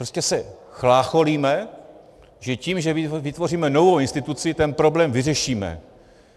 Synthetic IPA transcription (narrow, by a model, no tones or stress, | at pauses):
ɾoscɛsɛxlaːxoliːmɛ | ʒɛciːmʒɛvɪt̪vo̞riːmɛno̞vowɪnst̪ɪt̪ut͡sɪt̪ɛnpɾo̞blɛːmvɪrɛʃiːmɛ̰